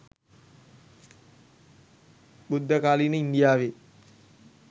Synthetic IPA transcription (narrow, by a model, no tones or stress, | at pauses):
bud̪ʱːəkaːlinəind̪ijaːʋe